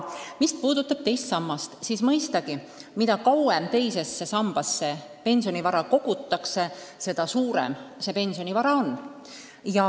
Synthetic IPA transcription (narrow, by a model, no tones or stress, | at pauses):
mist̪puːd̪̥ut̪ːˑɑb̥̚t̪e̞jst̪sɑmːɑst̪siːsmɤ̞jst̪ɑɡ̥i | mid̪ɑkɑwemt̪e̞jse̞sːe̞sɑmb̥ɑsːe̞ | pe̞nʲsionivɑɾɑko̞ɡ̥ut̪ˑːɑkse̞se̞d̪̥ɑsuːɾḛmse̞pe̞nʲsio̞nivɑɾɑo̞n | jɑ